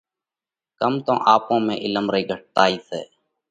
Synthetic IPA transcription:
kəmt̪õːʔaːpõːmẽːʔɪləmɾəiːɡʱəʈ̚t̪aːiːsḛː

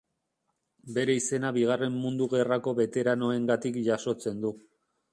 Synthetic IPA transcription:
be̞ɾe̞ise̞naβiɣ̞are̞mːund̪uɣe̞rako̞βe̞t̪e̞ɾano̞e̞ŋɡat̪ikʝaso̞t͡se̞nd̪u

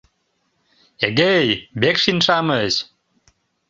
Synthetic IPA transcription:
eɡejbekʃinʃaməɕ

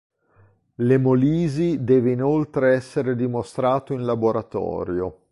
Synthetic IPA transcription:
lemoliːzid̪ɛːveinolt̪ɾeɛsːeɾed̪imost̪ɾaːt̪oinlaboɾat̪ɔ̰ːɾjo

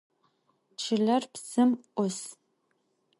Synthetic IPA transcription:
t͡ʃʰɨɮɐrpsɨmʔʷʊs

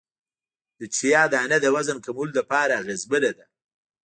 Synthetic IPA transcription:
d̪̥ət͡ʃijɑd̪əanad̪əwazənkamuld̪əpɑɾaɣɪzbəɾad̪a

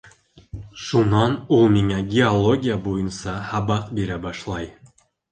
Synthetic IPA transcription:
ʃunɑnulˠmʲiŋæɡʲeolˠo̞ɡʲijabojunsɑhɑbɑqbe̞ɾæbɑʃlˠɑj

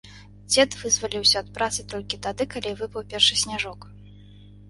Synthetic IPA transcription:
d͡zʲɛt̪vɨzvalʲiwsʲɐːt̪̚pɾat̪sɨt̪ɔlʲkʲit̪ad̪ɨkalʲivɨpɐwpʲɛrʂɨsʲnʲaʐɔk

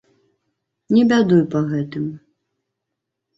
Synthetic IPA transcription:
nʲɛbʲad̪ujpɐɣɛt̪ɨm

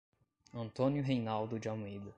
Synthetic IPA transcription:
ɐ̃nt̪õnjʊɦejnawd̪ʊd͡ʒamuid̪ʊ

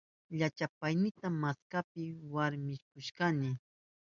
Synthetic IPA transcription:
ʎat͡ʃapajnɪt̪amaskapɪwaɾmɪkʊʃkanɪ

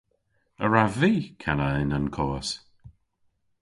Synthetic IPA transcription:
əɹaviːkʰanəɪnankʰɔːəs

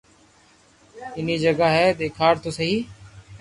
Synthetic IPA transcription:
ɪniːd͡ʒəɡaɦɛːd̪eːkʰaːɾt̪oːsəɦiː

